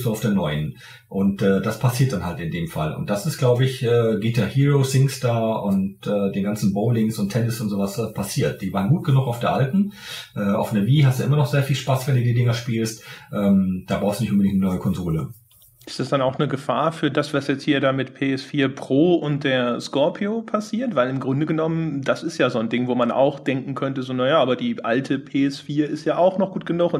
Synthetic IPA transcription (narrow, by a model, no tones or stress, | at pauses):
szoaʊfd̥eːɐnɔʏən | ʔʊntʔɛːd̥aspʰasiːɐt̚d̥anhaltɪndeːmfalʔʊ̰ntd̥asɪstɡ̥laʊbəɪçʔɛːɡiːtʰahiːʁoːsɪŋstaɐʔʊntʔɛːdeːnɡant͡sn̩boʊlɪŋsʊntʰɛnɪsʊntzoːvaspʰasiːɐt̚d̥iːvaːʁənɡuːt̚ɡ̥ənuxaʊfd̥eːɐʔaltn̩ʔɛːʔa̰ʊfnɐviːɦastd̥uʔɪmɐnɔχz̥eːɐfiːlʃpasvɛnduːdiːdɪŋɐʃpiːlstʔɛːmd̥aːbʁaʊstduːnɪçʔʊmbədɪŋt̚nənɔʏəkʰɔnzoːlə | ʔʔɪstd̥asd̥anaʊxnəɡəfaːɐfyːɐdasv̥asjɛt͡sthiːɐdaːmɪtpʰeːɛsfiːɐpʁ̥oːʊnt̚d̥eːɐskɔɐpʰioːpʰasiːɐtv̥aɪlɪmɡʁʊndəɡənɔmənd̥asɪstjaːzoːndɪŋvoːmanʔa̰ʊxd̥ɛŋkŋ̩kʰœntəzoːnajaːʔaːbɐdiːʔaltʰəpʰeːɛsfiːɐɪstjaːaʊxnɔχɡ̥uːt̚ɡ̥ənʊxʊn